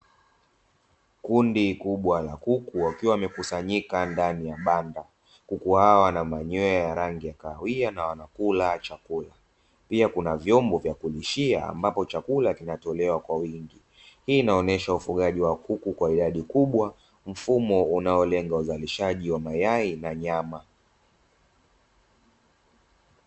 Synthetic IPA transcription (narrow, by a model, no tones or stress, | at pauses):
kundikuɓwala̰kukuwakiwamɛkusaɲikandanijaɓanda | kukuhawanamaɲɔjajaɾaŋɡijakawianawanakulat͡ʃakula | piakunavjɔmbɔvjakuliʃia̰a̰mbapɔt͡ʃakulakinatɔlɛwakwawiŋɡi | hiːnaɔnɛʃaufuɠaʄiwakukukwaiɗaɗikuɓwa | m̩fumɔunaɔlɛŋɡauzaliʃaʄiwamajainaɲama